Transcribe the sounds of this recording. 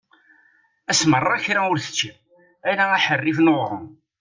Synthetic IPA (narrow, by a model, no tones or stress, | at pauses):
æsmərˤːɑçɾaʊɾθə̥t͡ʃːi | ælææħərːifnoʁʁəm